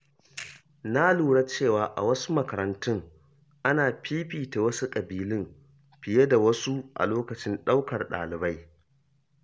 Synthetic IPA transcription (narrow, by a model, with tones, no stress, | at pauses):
na˦luː˨ɽa˦t͡ʃeː˦˨waː˨ʔa̰˨wɐ˦su˦mɐ˨kɐ˨ɾɐ˨ntʊ˦ŋ | ʔa˦naː˨ɸiː˦ɸiː˨ta˨wɐ˦su˦kʼɐ˨biː˨lɪ˦m | ɸɪ˨je˦da˨wɐ˦su˦ʔa̰˨loː˦kɐ˨t͡ʃɪ˦nɗa˦wkɐ˨rɗa̰ː˨lɪ˨ba˦j